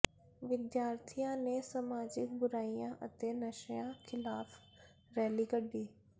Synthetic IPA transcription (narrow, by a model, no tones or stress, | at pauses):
ʋɪd̪jaːɾt̪ʰijãnesəmaːd͡ʒɪk̚bʊɾaːijãːʔət̪enəʃjãkʰɪlaːf | ɾɛːliːkəɖiː